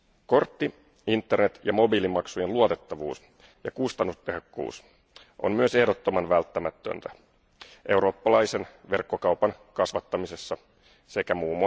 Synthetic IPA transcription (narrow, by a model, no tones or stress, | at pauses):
ko̞rt̪ːi | int̪ːe̞rnet̪jɑmo̞bilimɑksuje̞nluot̪e̞t̪ːɑʋuːs | jɑkust̪ɑnːust̪eɦokːṵːs | ʔo̰mmyø̞se̞hdo̞t̪ːo̞mɑnʋælt̪ːæmæt̪ːø̰nt̪æ | ʔe̞wɾo̞ːpːɑlɑjse̞nʋe̞rkːo̞kɑwpɑnkɑsʋɑt̪ːɑmise̞sːɑ | sekæmuːm